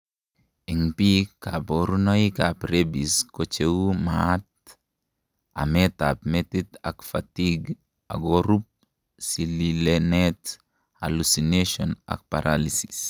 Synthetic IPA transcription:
ɛŋpikaboɾunɔikapɾebiskot͡ʃewumat̪̚ | a̰mɛtapmɛt̪it̪a̰kfatiɡ | a̰ɡoɾup̚ | sililenɛt | a̰lusineʃɔna̰k̚paɾʔalisi̥s

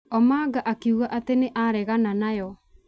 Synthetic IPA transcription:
ɔmaɡaʔakeuɣaʔateneʔaɾɛɣananajɔ

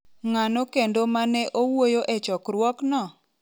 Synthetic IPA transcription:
ŋanokendomanɛʔowojoʔet͡ʃɔkɾwɔknɔ

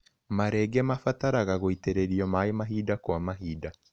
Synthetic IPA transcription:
maɾɛɡɛmafataɾaɣaɣoiteɾeɾiɔmaemaɦiːdakwamaɦiːda

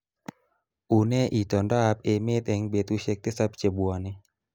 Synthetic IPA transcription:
unɛʔitɔndapemet̪ɛŋbet̪uʃɛk̚t̪esap̚t͡ʃebuane

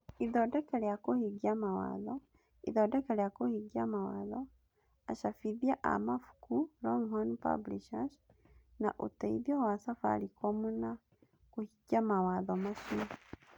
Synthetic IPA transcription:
iðodekeljakuhiɡamawa̰ðɔ | ḭðodekeljakuhiɡiamawaðɔ | aʃafiðjaʔa̰mafu̥kulɔŋhɔnpa̰bliʃas | naʔṵtaiðjowasafa̰likʰomuna | kuhiɡamawaðɔmaʃima

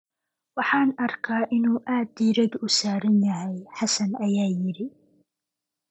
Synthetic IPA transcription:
waħaːnʔɑɾˤkaːʔɪnuʔaːd̪iɾad̪ʔʊsaːɾɪnːaʕajħasanʔajaːjɪɾi

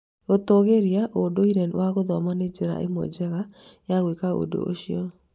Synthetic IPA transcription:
ɣot̪ɔɣeɾiaʔodoiɾɛnwaɣoðɔmaned͡ʒeɾa̰ʔḛmɔ̰d͡ʒɛɣajaɣwekao̰do̰o̰ʃiɔ

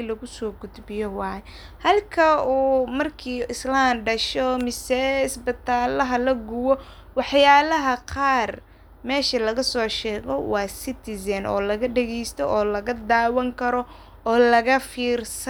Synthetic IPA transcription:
lɐɣʊsɔːɡʊd̪bɪjɔwɑːjɛ | hɐlkʰɐuːmɐrkʰiːɪslaːmɖɐʃɔmɪsɛɪsbɪt̪ʰaːlɐɦɐlɐɡʊwɔ | wɑħjaːlɐɦɐqɑːr | mɛːʃɐlɐɣɐsɔːʃɛːɣɔwɑːsɪt̪ʰɪsɐnʔɔ̰ːlɐɣɐɖɛɣɛjst̪ʰɔʔɔːlɐɣɐd̪aːwɐŋkʰɐɾɔ | ɔːlɐɣɐfiːrsɐ

